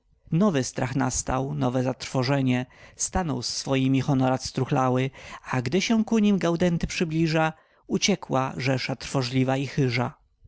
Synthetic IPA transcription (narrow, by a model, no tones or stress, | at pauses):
nɔvɘst̪ɾʔaxna̰st̪awnɔvɛzat̪ɾfɔʐɛɲɛst̪anɔwsːfɔjimʲixɔnɔɾat̪st̪ɾuxlawɘaɡd̪ɘɕɛ̃kuɲimɡawd̪ɛnt̪ɘpʂɘblʲiʐa | ut͡ɕɛkwaʐɛʂat̪ɾfɔʐlʲivaixɘʐa